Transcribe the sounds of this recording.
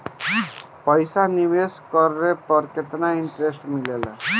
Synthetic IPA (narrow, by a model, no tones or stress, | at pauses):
pʌjsaniweskʌɾɾepʌɾket̪naiɳʈɾesʈmilela̰